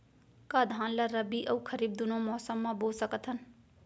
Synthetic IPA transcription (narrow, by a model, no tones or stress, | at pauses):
kaːd̪ʱãːnlaɾəbiʔɐukʰəɾiːb̚d̪ʊnõmɔːsəmːãboːlsəkət̪ʰɦən